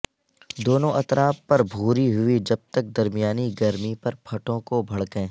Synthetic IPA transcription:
d̪oːnõʔɐt̪ɾaːpːɐɾbʱuːɾiɦʊid͡ʒɐb̚t̪ɐk̚d̪ɐɾmijaːniɡɐɾmipɐɾpʰɐʈõkobʱɐɽkẽː

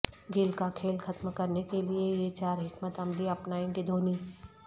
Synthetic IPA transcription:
ɡɪlkakʰeːlxɐt̪mkɐɾnekeliejet͡ʃaːɾɦɪkmət̪ɐmliɐpnaːẽɡid̪ʱoːniː

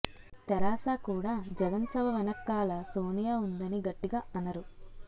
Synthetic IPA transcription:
t̪ɛɾaːsaːkuːɽaːd͡ʒɛɡɐnsɐʋɐʋɐnɐkːaːlɐsoːnijaːund̪ɐniɡɐʈːiɡaːɐnɐɾu

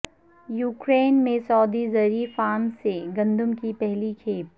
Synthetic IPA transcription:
juːkɾeːnmẽsɔːd̪izɐɾiːfaːmseɡɐ̃nd̪ʊmkipɛɦlikʰeːp̚

